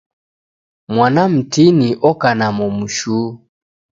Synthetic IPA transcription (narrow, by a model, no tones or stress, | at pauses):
mwanam̩tiniʔɔkanamɔmuʃu